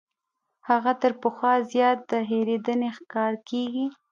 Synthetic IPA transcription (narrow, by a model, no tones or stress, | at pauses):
haɣat̪əɾpəxwɑzjɑt̪̚d̪əɦeɾed̪ənexkɑɾkeɡi